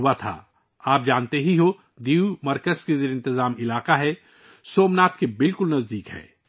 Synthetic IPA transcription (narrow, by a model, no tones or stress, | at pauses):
ʊat̪ʰa̰ː | aːp̚d͡ʒaːnt̪eɦiɦo | d̪iːumɐɾkəzkezeːɾɪ̃nt̪ɪzaːmɪlaːqaɦɛ | soːmnaːt̪kebɪlkʊlnɐzd̪iːkɦɛ̰ː